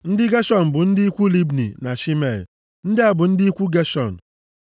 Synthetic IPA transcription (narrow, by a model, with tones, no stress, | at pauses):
n̩˦dɪ˦ɡe˦ʃɔ˨n̩˨bʊ˨n̩˦dɪ˦i˦kʷu˦li˦bnḭ˨na˨ʃi˦me˨l | n̩˦dɪ˦a˨bʊ˨n̩˦dɪ˦i˦kʷu˦ɡe˦ʃɔ˨n̩˨